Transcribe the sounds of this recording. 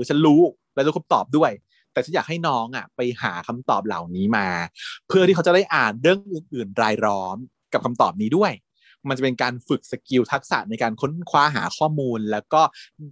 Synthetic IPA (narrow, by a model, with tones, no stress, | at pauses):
ɯ˦t͡ɕʰa˦˥nɾuː˦˥ | lɛː˧˦˥a˦˥a˧mt̪ɔː˨˩p̚du˥˩əj | t̪ɛ˨˩t͡ɕʰa˦˥njaː˨˩k̚ha˥˩jnɔː˦˥ŋʔa˨˩pa˧jhaː˩˦kʰa˧mt̪ɔː˨˩p̚la̰˨˩wniː˦˥maː˧pʰɯ˥˩iː˥˩a˦˥t͡ɕa˨˩da˥˩jʔaː˨˩nɾɯ˥˩əŋʔɯ˧ŋʔɯː˨˩nɾaː˧jɾɔː˦˥m | ka˨˩p̚kʰa˧mt̪ɔː˨˩p̚niː˦˥du˥˩əj | ma˧nt͡ɕa˨˩pe˧nkaː˧nfɯ˨˩k̚sa˧ki˧wt̪ʰa˦˥k̚sa̰˨˩ʔna˧jkaː˧nkʰo˦˥nkʰwaː˦˥ɦa̰ː˩˦kʰɔː˥˩muː˧nlɛː˦˥wkɔː˥˩